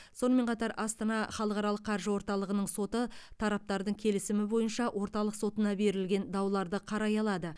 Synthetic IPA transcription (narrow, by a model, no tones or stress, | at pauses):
so̞nəme̞ɴqʰɑt̪ɑɾɑst̪ɑnɑχɑlˠəqɑɾɑlˠəqːʰɑɾʒəwo̞ɾt̪ɑlˠəʁənəɴso̞t̪ət̪ʰɑɾɑp̚t̪ɑɾd̪əɴkʲʰe̞lɪsɪmɪbo̞jənʃɑwʔo̞ɾt̪ɑlˠəqso̞t̪ənɑbe̞ɾɪlɡʲe̞nd̪ɑwlˠɑɾd̪əqʰɑɾɑjɑlˠɑd̪ə